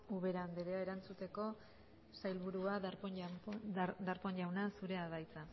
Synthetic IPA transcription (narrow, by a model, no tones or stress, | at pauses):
uβe̞ɾand̪eɾeaeɾant͡sut̪e̞ko̞ | sajlβuɾuaðɾ | d̪aɾpo̞ɲʎawnasuɾe̞aðajt͡sa